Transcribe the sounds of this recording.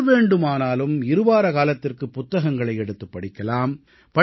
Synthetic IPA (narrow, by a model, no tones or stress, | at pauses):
ʋeːɳɖɯmaːnaːlɯmɪɾɯʋaːɾɐkaːlɐt̪ːɪrkɯpːʊt̪ːɐɣɐŋɡɐɭɐɪɛɽɯt̪ːɯpːɐɽɪkːɐlaːm | pɐ